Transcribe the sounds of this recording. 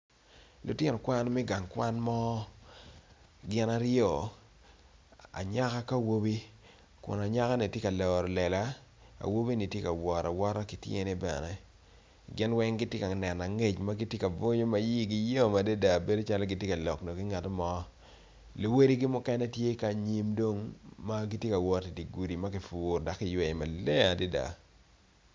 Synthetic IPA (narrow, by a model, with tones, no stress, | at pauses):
lʊ˨tɪ˦nɔ˨kwa˦nmɛ˦ɡa˨ŋkwa˦nmɔ˦ | ɡɪ˦na˦ɾjo˦˨ | a̰˨ɲa˦ka˦ka˦˨wo˦bi˦ | kʊ̰˨na˨ɲa˦ka˦ni˨tje˦ka˨lɔː˨ɾɔ˨lɛ˨la˦ | a̰˨wo˦bi˦ni˨tje˦ka˨wɔ˨ɾa̰˨wɔ˦ɾa˦ki˨tjḛ˦ni˦bɛ̰˨nɛ˦ | ɡɪ˦nwɛ˦ŋɡɪ˦tje˦ka˨nɛ˨na˨ŋe˦t͡ʃma˦ɡi˦tje˦ka˨bo˦ɲo˦ma˦ji˦ɡi˦jo˦˨ma˨de˦da˨be˦do˦t͡ʃa˦lɡi˨tje˦ka˨lɔ˨kno˨kɪ˦ŋa˨tmɔ˦ | li˨we˦ɾi˦ɡi˦mʊ˦kɛ˦nɛ˦tje˦ka˨ɲi˦mdo˦ŋma˦ɡi˦tje˦ka˨wɔ˨ti˨di˨ɡu˨di˨ma˦ki˨fuː˨rda˨kːɪ˦jwɛ˨ma˨lɛ˦a˨de˦da̰˨